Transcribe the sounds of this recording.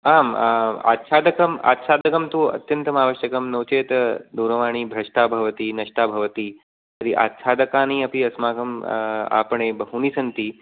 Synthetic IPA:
aːma̰ːt̪t͡ʃʰaːd̪ɐkɐma̰ːt̪t͡ʃʰaːd̪ɐkɐmt̪uɐ̰t̪jɐnt̪ɐmaːʋɐʃjɐkɐmnɐwt͡ʃeːt̪d̪uːɾɐʋaːɳ̃iːbʱɾɐʂʈaːbʱɐʋɐt̪iːnɐʂʈaːbʱɐʋɐt̪iː | t̪ɐɾiʔa̰ːt̪t͡ʃʰaːd̪ɐkaːniɐpiɐsmaːɡɐma̰ːpɐɳeːbɐɦunisɐnt̪i

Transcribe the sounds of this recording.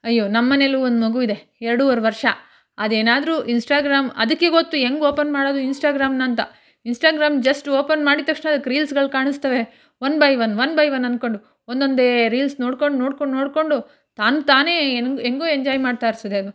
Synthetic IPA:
ɐjːoːnɐmːɐneluond̪umɐɡuʋid̪e̞ | ɛɾɐɽuʋɐɾʋɐɾʂɐ | ɐd̪e̞ːnaːd̪ɾuʔinsʈaːɡɾaːmɐ̰d̪ɐkːe̞ɡot̪ːueŋɡoːpɐnmaːɽoːd̪uinsʈaːɡɾaːmnɐnt̪ɐ̰ | insʈaːɡɾaːmd͡ʒɐsʈoːpɐnmaːɽit̪ːɐkʂneɐd̪ɐkːɾiːlsɡɐɭkaːɳist̪ɐʋe̞ | ʋɐnbɐjʋɐnʋɐnbɐjʋɐnːɐnd̪̚ko̞ɳɖu | ond̪o̞nd̪eɾiːlsno̞ːɽko̞ɳɖno̞ːɽkoɳno̞ːɽko̞ɳɖu | t̪aːnut̪aːne̞ːneŋɡoːeɲd͡ʒaːjmaːɽt̪aːɾsid̪eɐd̪u

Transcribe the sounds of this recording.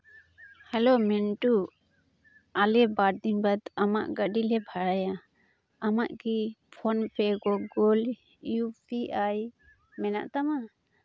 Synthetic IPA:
hɛlomɛnʈu | alɛbaɾ̚d̪inbat̪ama̰ʔɡəɖilɛbʱaɾajaː | maʔkipʰɔnpʰɛɡɔɡɔl | jupʰiʔaj | mɛna̰ʔt̪ama

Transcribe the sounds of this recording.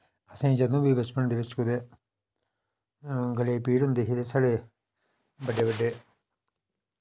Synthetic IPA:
ɐsẽd͡ʒɐnuːbibɐt͡ʃpɐnd̪iʋet͡ʃkud̪e | ɡɐlepiːɽund̪eɦid̪esɐɽe | bɐɖebɐɖːe

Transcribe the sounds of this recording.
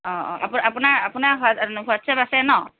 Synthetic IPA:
ɔ̃ɔ̰̃a̰papunaɹapunaɹɦanɦuatsʰɛbasɛnɔ

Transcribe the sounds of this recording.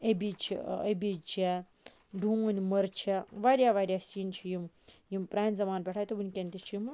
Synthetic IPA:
ebʲit͡ʃʰḭɐ̰bʲit͡ʃʰɐ | ɖʱũːɐnʲimɐɾt͡ʃʰɐʋaːɾʲjaːʋaːɾʲjaːsint͡ʃʰijim | jimpɾaːnʲzɐmaːnpʲeʈʰaːjt̪ubunʲkʲenʲt̪it͡ʃʰjim

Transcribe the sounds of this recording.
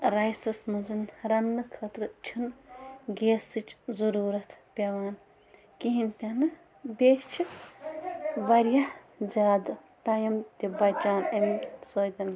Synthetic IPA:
ɾɐjsɐsmɐnzɨnɾɐnːɨkʰɐt̪ɾɨt͡ʃʰɨnɡeːsɨt͡ʃzɐɾuːɾɐt̪pʲɐʋaːn | kiɦinʲt̪ʲɐnɨ | bʲet͡ʃʰi | ʋɐɾjɐ | zʲjaːd̪ | ʈɐjɐmt̪ʲibɐt͡ʃaːnemsoːd̪ʲɐn

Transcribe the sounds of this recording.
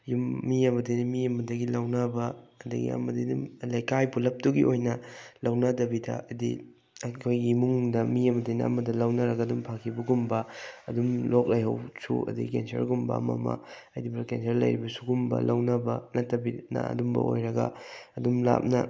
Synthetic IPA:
jumːiɐmɐdejnɐmiɐmɐdɐɡilɐwnɐbɐːdɐɡḭa̰mɐdidumlɐjkajpulɐp̚tuɡḭʔojnɐlɐwnɐdɐbidɐ̰ɐdḭ | kʰojɡimuŋdɐmiɐmɐdejnɐ̰ɐ̰mɐdɐlɐwnɐɾɐɡɐːdumpʰakʰibɐɡumbɐɐdumlok̚lɐjhɐ̰wsṵɐ̰dḭkensɐ̰ɾɡumbɐ̰ɐmɐ̰mɐ̰ | ɐjdibɾakensɐɾlɐ̰jɾibɐsuɡumbɐ̰lɐwnɐbɐnɐtːɐbinɐ̰ɐ̰dumbɐ̰o̰jɾɐɡɐ̰ɐdumla̰p̚nɐ

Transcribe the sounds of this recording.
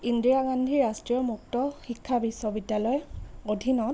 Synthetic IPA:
indɹiaɡandʱiɹastɹijɔmuk̚tɔxikʰːabisːɔbidjalɔjodʱinɔt̚

